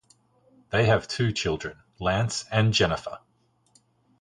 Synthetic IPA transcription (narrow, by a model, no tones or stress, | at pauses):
ðeɪəv̥tʰʉːt͡ʃʰɪlˠdɹə̃n | læ̃ˑnsə̃nd͡ʒɛnəfə̰